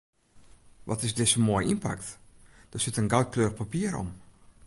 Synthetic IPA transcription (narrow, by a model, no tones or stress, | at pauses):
ʋʔɔtɪsdɪsəmojʔinpa̰k̚td̥əsɪtənɡawt̚kløːɾəxpapiːəɾɔ̰m